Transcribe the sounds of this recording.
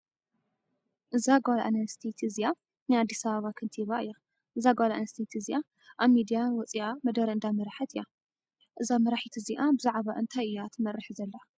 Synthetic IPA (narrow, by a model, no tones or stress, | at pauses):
ʔɨzaɡwala̰ʔa̰nɐst̪ʰit̪ʰizija | nɨad̪ːisɐβɐβakʰɨnt̪ʰiβaʔɨjːɛ | ʔɨzaɡalaʔanɐst̪ʰit̪ʰizija | ʔaβmid̪ijawɔt͡sʼiʔamɐd̪ɐɾɨnd̪amɐɾaħɐt̪ʰɨja | ʔɨzamɐɾaħit̪ʰɨziʔabɨzaʕβaʔɨnt̪ʰajʔɨjːat̪ʰɨmɐɾɨħizɐlːa